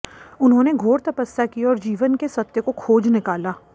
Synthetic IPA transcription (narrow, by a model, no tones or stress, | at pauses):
ʊnɦõːneɡʱoːɾt̪ɐpəsjakiɔːɾd͡ʒiːʋənkesɐt̪ːjəkokʰoːd͡ʒnɪkaːlaː